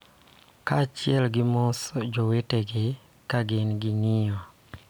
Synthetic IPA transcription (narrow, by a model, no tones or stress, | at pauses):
kat͡ʃɪɛlɡɪmɔsɔd͡ʒoweteɡɪ | kaɡenɡɪnɪjɔ